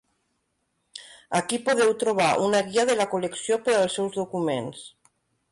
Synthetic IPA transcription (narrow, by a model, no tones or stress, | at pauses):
akipoðewt̪ɾoβ̞aʔunaɣiað̞elakoleksjopeɾaelsewzðokumens